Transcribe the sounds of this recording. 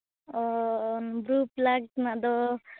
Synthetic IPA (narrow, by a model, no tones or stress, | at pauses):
ɔnbɾuplaɡt̪nad̪ɔ